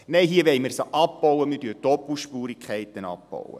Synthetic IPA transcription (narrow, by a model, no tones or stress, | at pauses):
neɪɦiəʋɛɪməsʔɑpbɔwəmɪɾtdyːtɔpːl̩ˠʃpuːɾikχɛɪt̪ənɑ̰pbo̰wə̰